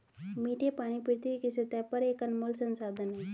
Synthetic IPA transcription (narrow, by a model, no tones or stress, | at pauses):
miːʈepaːɽ̃ipiɽt̪ikiset̪apəɾeːkənmoːlsənsaːd̪ʱənɦe